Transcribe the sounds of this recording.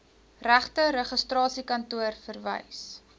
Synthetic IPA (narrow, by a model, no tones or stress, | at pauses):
ræχtəɾəχəstrɑːsikɐntuərfərvə̰js